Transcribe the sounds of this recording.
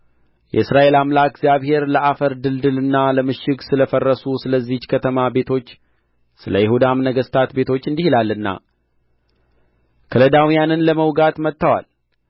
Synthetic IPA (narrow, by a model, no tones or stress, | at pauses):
jɛ̰ɨsɾaʔe̞lamlaɡzjaβhe̞ɾləʔafəɾd̪ɨld̪ɨlɨnːaləmɨʃɪɡsɨləfərːəsusɨləzːit͡ʃkʰət̪ʰəmabe̞t̪ʰo̞t͡ʃː | sɨləjɪhud̪amnəɡəst̪ʰat̪be̞t̪ʰo̞t͡ʃːɨnd̪ihilalːɨnːa̰ | kʰələd̪awijanɨnləməwɡat̪mət̪ːəwa̰l